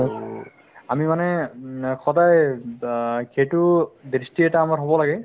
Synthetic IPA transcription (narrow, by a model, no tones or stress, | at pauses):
amimanɛkɔdaj | kʰetʊdɹistiɛtaːmaɹɦobɔlaɡɛ